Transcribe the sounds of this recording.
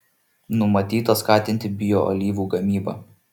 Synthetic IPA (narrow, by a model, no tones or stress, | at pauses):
nʊmɐt̪ʲiːt̪ɐskɑːt̪ʲɪnʲt̪ʲɪbʲɪjoːʔɔ̰lʲiːʋuːɡɐmʲiːbɐ̰